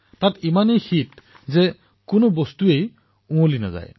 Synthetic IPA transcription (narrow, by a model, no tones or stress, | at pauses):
tatimanejxit̚ | zɛ | kʊnobɔstuej | ũolina̰za̰j